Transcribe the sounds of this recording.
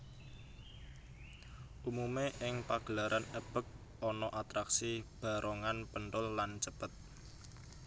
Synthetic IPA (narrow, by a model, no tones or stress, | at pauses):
ʔumumeʔɪŋpaɡ̥əlaɾʔanəb̥ə̤k̚ | ɔnɔʔat̪ɾaksib̥a̤ɾʔoŋanpənt̪ʊlːant͡ʃəpət̪̚